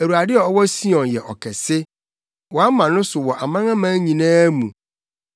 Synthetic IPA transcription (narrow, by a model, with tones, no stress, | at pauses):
æ˨ɾu˨a˨dɪ˦ɔ˨ɔ˦wɔ˦si˦ɔ̃˨njɛ˨ʔɔ̰˨kʰɛ˨sɪ˦ | wɔ˨a˦mã˨nʊ̃˦sʊ˨wɔ˨ʔa˨mã˦ŋã˦mã˦ɲĩ˨nãː˦mṵ̃˨